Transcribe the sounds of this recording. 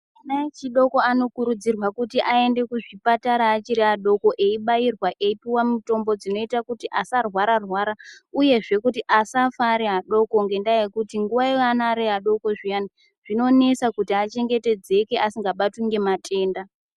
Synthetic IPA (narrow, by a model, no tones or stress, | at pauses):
inaet͡ʃiɗo̞ko̞ano̞kuɾud͡zirwakutiʔae̞nde̞kuʐipataɾaːt͡ʃiɾiaɗo̞ko̞ʔe̞iɓairwaʔe̞ipiwamuto̞mbo̞d͡zino̞itakutiʔasarwaɾarwaːɾauje̞ʐe̞kutiʔasafaɾeɦaɗo̞koŋɡe̞ndaje̞kutiŋɡuwaianaɾeaɗo̞ko̞ʐijani | ʐ̥ino̞ne̞sakutiat͡ʃe̞ŋɡe̞te̞d͡ze̞ke̞ʔasiŋɡaɓatwuŋɡe̞matʰe̞ːnda